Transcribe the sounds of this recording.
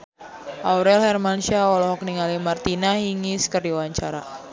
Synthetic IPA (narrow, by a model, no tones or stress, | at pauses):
ʔauɾɛlhɛrmanʃaɔlɔɦɔk̚niŋalimart̪inaɦiŋiskərdiwaɲt͡ʃaɾa